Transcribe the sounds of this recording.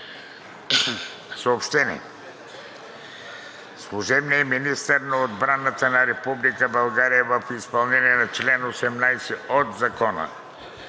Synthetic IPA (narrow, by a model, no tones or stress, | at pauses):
soopʃt̪ɛnʲḭ | slˠuʒɛbniɛminist̪əɾnɐod̪bɾanət̪ənɐɾɛpublikəbɐlˠɡaɾijəvəfispɐlˠnɛniɛnɐt͡ʃlɛnosɛmnajsɛot̪zɐkɔnə̰